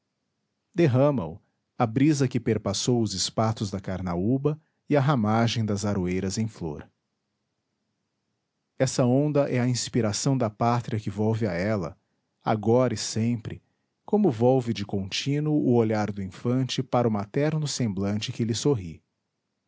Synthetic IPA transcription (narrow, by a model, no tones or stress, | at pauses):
d̪eɦɐ̃mɐ̰ʊ̰ | ɐbɾizɐkɪpeɾpasowʊzɪspat̪ʊzd̪ɐkaɾnaubɐ | ɪɐɦamaʒẽj̃d̪ɐzaɾuejɾɐzẽj̃flo̰ɾ | ɛsɐõnd̪ɐʔɛɐĩspiɾasɐ̃w̃d̪ɐpat̪ɾiɐkɪvɔwvɪaɛlɐ̰ | a̰ɡɔɾɐɪsẽpɾɪ | kõmʊvɔwvɪd͡ʒɪkõnt͡ʃĩnʊʔʊoʎaɾd̪ʊĩfɐ̃nt͡ʃɪpaɾɐʊmat̪ɛɾnʊsẽmblɐ̃nt͡ʃɪkɪlɪsoɦi